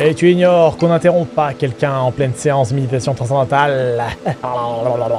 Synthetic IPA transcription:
et̪yiɲɔʁkɔ̃nɛ̃t̪eʁɔ̃p̚pakʲɛlkʲɛ̃ɑ̃plɛnseɑ̃smed̪it̪asjɔ̃t̪χɑ̃s̬ɑ̃d̪ɑ̃t̪al | a

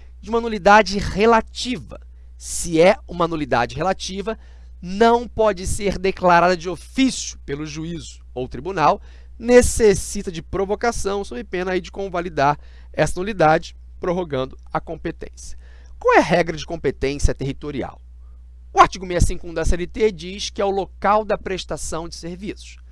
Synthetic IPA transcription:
d͡ʒɪũmɐnulid̪ad͡ʒɪhelat͡ʃivɐ̰ | siɛũmɐnulid̪a̰d͡ʒɪɦelat͡ʃivɐ | nɐ̃w̃pɔd͡ʒɪseɾd̪eklaɾad̪ɐd͡ʒɪofisjʊ̥pelʊʒuizʊ̥owt̪ɾibunaw | nesesit̪ɐd͡ʒɪpɾovokasɐ̃w̃sobɪpẽnɐaid͡ʒɪkõvalid̪aɾ | ɛsɐnulid̪ad͡ʒɪ | pɾoɦoɡɐ̃nd̪ʊɐkõmpet̪ḛ̃siɐ̥ | kwawɛɦɛɡɾɐd͡ʒɪkõmpet̪ẽsiɐt̪eɦit̪oɾia̰w | ʊaɾt͡ʃiɡʊmejɐsĩŋkʊũd̪ɛsɛlit̪ed͡ʒiʃkɪɛʊlokawd̪ɐpɾeʃt̪asɐ̃w̃d͡ʒɪseɾvisʊ̥ʃ

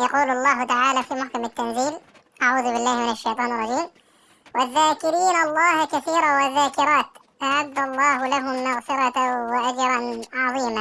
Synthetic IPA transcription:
jɑquːlʊlˤːɑːɦʊt̪aʕaːlaːfimʊħkamat̪ːanziːl | ʔaʕuːðʊbɪlːaːhmɪnaʃːejt̪ˤɑːnɪrˤːɑd͡ʒiːm | wɪðːaːkɪɾiːnʔɑlˤːɑːhakaθiːɾawɪðːaːkɪɾˤɑːt̪ | ʔaʕad̪ːalˤːɑːɦʊlaɦʊmmaɣfɪɾˤɑʔad͡ʒɾˤɑnʕɑðˤiːma

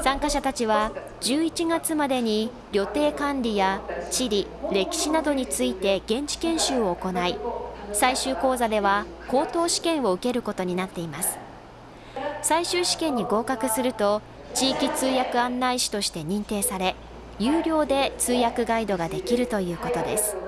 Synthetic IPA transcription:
sãŋkaɕat̪at͡ɕiβa | d͡ʑɨːit͡ɕiɡat͡sɨmad̪e̞ɲ̟i | ɾʲo̞t̪e̞ːkãnɾʲijat͡ɕiɾʲiɾe̞kʲi̥ɕinad̪o̞ɲ̟it͡sɨit̪e̞ɡẽ̞ɲt͡ɕi̥kẽ̞ɰ̃ɕɨːo̞ːko̞naisaiɕɨːko̞ːzad̪e̞β̞a | ko̞ːt̪o̞ːɕi̥kẽ̞ɰ̃o̞ɯ̟ke̞ɾɯ̟ko̞t̪o̞ɲ̟inat̪ːe̞imasɨ̥ | saiɕɨːɕi̥kẽ̞ɲ̟ːiɡo̞ːkakɯ̟sɨɾɯ̟t̪o̞ | t͡ɕiːkʲit͡sɨːjakɯ̟ãnːaiɕi̥t̪o̞ɕi̥t̪e̞ɲ̟ĩnt̪e̞ːsaɾe̞ | jɨːɾʲo̞ːd̪e̞t͡sɨːjakɯ̟ɡaid̪o̞ɡad̪e̞kʲiɾɯ̟t̪o̞jɯ̟ːko̞t̪o̞d̪e̞̰sɨ̥

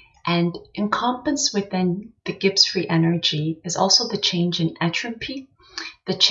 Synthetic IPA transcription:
ʔɨ̃nʔɨ̃nkʰɑ̃mpɨ̃nswɨðɪ̃nðɨɡɪpsfɹiʔɛnə˞d͡ʒiɨzɔ̰lˠsoʊðɨt͡ʃʰẽɪ̃nd͡ʒɨ̃næt͡ʃɹ̥ɨpʰi | ðɨt͡ʃʰ

